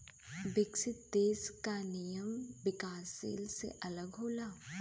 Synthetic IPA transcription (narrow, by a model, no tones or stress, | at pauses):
ʋɪksɪt̪̚d̪eːskanɪjəmʋɪkaːsdḛːlsḛʔɐləɡɦoːlaː